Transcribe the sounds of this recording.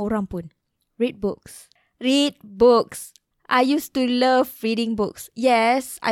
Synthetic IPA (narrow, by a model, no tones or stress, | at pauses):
oɾãmpũn | ɹit̚buk̚s | ɹit̚buks | ʔa̰jjustuləvɹidĩŋbuksjɛsa̰